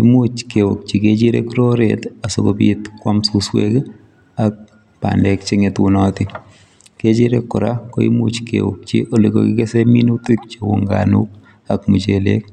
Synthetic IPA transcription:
imut͡ʃkewok̚t͡ʃiket͡ʃiɾḛkɾoɾet̪aso̰kopiːt̪kwamsuswḛk | ak̚ | pa̰ndekt͡ʃeŋɪtʊnɔtɪ | ket͡ʃiɾekːʊɾakoḭmut͡ʃkḛwo̰k̚t͡ʃḭʔoliko̰kɪkeseminutuk̚t͡ʃiwʊ̰ŋɡa̰nṵk̚ | akmut͡ʃelḛk̚

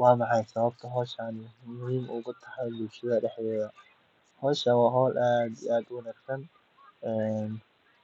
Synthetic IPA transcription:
wɑːmɑħɑjsɐβɐb̚t̪ʰɐɦɔːʃanmʊɦiːmʊːɣʊt̪ʰɐ̥ħɑjbʊlʃɐðɐɖɛħd̪ɛːðɐ | hɔːʃɐwɑːɦɔːlʔaːd̪ḭʔaːd̪wɑnaːɡsɐn | ɛːn

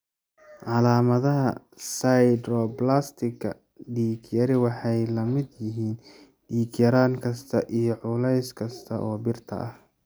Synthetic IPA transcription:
ʕɑlaːmɐðɐɦɐ | sajd̪ɾɔːblaːst̪ʰɪkʰːɐ̰ | ɖiːkʰjɐɾɪwɑħɑjlɐmɪd̪jɪɦiːn | ɖiːkjɐɾaːŋkʰɐst̪ʰɐʔijɞʕʊlɛjskʰɐst̪ʰɐ̰ʔɔːbɪrt̪ʰɐ̰ʔɐh

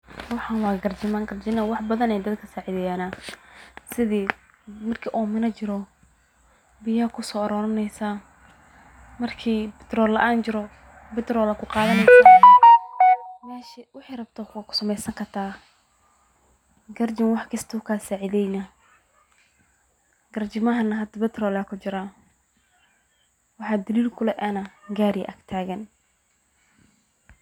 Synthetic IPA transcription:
wɑħɑnwɑːɡɐrd͡ʒɪmaŋɡɐrd͡ʒɪnɐwɑħbɐðɐnɛjd̪ɐd̪kʰɐsaːʕɪðɛjaːna | sɪðiː | mɐrkʰiːʔɔːmɪnɐt͡ʃɪɾɔ | bɪjɐkʰʊsɔːɐɾɔːɾɐnɛjsaː | mɐrkʰiːbɪt̪rɔːlɐʔaːnt͡ʃɪɾɔ | bɪt̪rɔːlɐkʰʊqɑːðɐnɛsa | mɛːʃɪwɑħɑjrɐb̚t̪ʰɔkːkʰʊ̥sɐmɛjsɐŋkʰɐrt̪ʰaː | ɡɐrd͡ʒɪmwɑħkʰɐst̪ʰɔːkʰaːsaːʕɪðɛjnɐ | ɡɐrd͡ʒɪmɐɦɐnɐɦɐd̪ɐbɛt̪rɔːlɐkʰʊt͡ʃɪɾa | wɑħɑːd̪ɐliːlkʰʊlɛʔɛnɐɡaːɾɪ̰ʔɐɡt̪ʰaːɣɐn

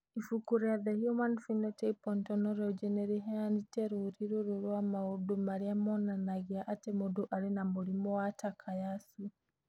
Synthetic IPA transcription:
ifukuɾaðɛhjumanfinɔteipɔntɔnɔɾɛud͡ʒɛnɛɾiɦɛaniteɾuɾiɾuɾuɾwamaudumaɾiamɔnanaɣiaʔːtemuduʔaɾinamuɾimɔwatakʰajasu

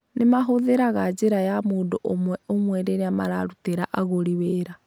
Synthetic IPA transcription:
nemaɦoðeɾaɣad͡ʒeɾajamoːndoʔomwɛomwɛɾeɾeama̰ɾaɾuteɾaʔaɣoɾiweːɾa

